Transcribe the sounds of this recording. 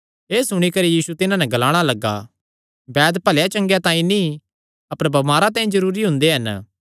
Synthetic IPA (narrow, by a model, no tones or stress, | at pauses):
eːsʊɽ̃ikɐɾijiːsut̪ɪnãnɛɡɐlaːɽ̃alɐɡːa̰ | bɛːd̪pɐljat͡ʃɐ̃ŋɡjat̪ãːĩnĩ | ɐpəɾbɐmaːɾat̪ãːĩzɐɾuːɾiɦʊ̃nd̪eɦɐn